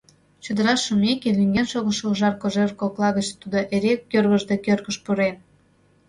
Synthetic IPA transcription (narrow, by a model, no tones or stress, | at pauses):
t͡ɕud̪əɾɑʃumekeliŋɡenʃoɣə̆ʃouʒɑrkoʒerkoklɑɣət͡ɕt̪ud̪oʔeɾekːørβəʒd̪ekørkəʃpuɾen